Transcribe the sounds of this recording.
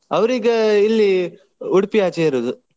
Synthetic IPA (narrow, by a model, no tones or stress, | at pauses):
ɐʋɾiːɡɐilːi | uɽpijaːt͡ʃeiɾod̪u